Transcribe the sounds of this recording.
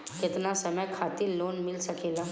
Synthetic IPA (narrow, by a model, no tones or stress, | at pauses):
kɪt̪nasɐməjkʰaːt̪ɪɾloːnmɪlsɐkeːlaː